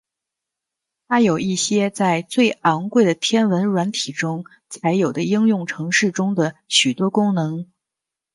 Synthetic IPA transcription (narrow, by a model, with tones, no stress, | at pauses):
t̪ʰa˥jo˨˩ʊi˥˩ɕjɛ˥t͡sa˥˧ɪt͡swe˥˩ɪɑ˧˥ŋkwe˥˩ɪd̪ə˩t̪ʰjɛ˥nwə˧˥nɻwa˧˥nt̪ʰi˨˩ʈ͡ʂʊ˥ŋ | t͡sʰa˧˥ɪjo˨˩ʊd̪ə˦i˥ŋjʊ˥˩ŋʈ͡ʂʰɤ˧˥ŋʂɻ̩˥˩ʈ͡ʂʊ˥ŋd̪ə˨ɕy˨˩t̪wɔ˥kʊ˥ŋnɤ˧˥ŋ